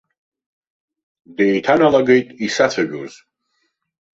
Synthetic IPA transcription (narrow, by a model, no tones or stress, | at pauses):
dejtʰanalaɡejtʼisat͡sʰaʒᶣuz